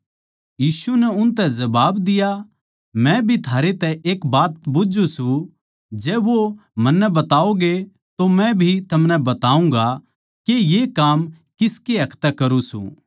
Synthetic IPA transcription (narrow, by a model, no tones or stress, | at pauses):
jiːsunɛʊnt̪ɛd͡ʒɐbaːbd̪ɪja | mɛ̃bʱit̪ʰaːɾet̪ɛʔeːkbaːt̪̚bʊd͡ʒũsũ | d͡ʒɛːʋomɐnːɛbɐt̪aːoɡe | t̪omɛ̃bʱit̪ʰɐmnɛ̃bɐt̪aːũŋɡa | kejekaːm | kɪskeɦɐkʰt̪ɛkɐɾũsṵ̃